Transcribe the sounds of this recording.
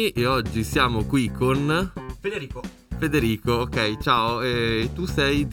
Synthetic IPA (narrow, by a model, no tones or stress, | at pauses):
ʔeɔd͡ʒːisjaːmokwikʰːonfed̪eɾiːko | fed̪eɾiːkoːkɛjt͡ʃaːoɛːt̪ːusɛj